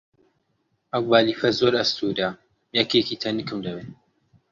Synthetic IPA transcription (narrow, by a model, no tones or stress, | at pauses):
ʔɐwbaːliːfɐzoːɾɐst̪ʰud̪a | jɐkekiːt̪ʰɐnɨkɨmd̪ɐbeː